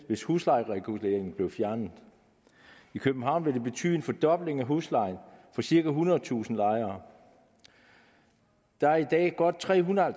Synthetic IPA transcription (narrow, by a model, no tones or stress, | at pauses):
ʋe̝shuslɑ̈ɪʁɛɡ̥ule̝̰ːɐeŋn̩b̥le̝ʊfjæɐnð̩ˠ | ikʰøb̥̚m̩ɦɑ̈ʊ̰nʋe̝d̥e̝b̥e̝t͡sʰy̰ːe̝nfɒ̽d̥ɒ̽b̥le̝ŋæɦuslɑ̈ɪnfɒ̽siɐɡ̥æɦunɐð̩ˠt͡sʰṵːsn̩lɑ̈ɪɐː | d̥ɑæɐid̥ɛ̰ːɡ̥ɒd̥̚t͡sʰʁɛ̰ːɦunɐ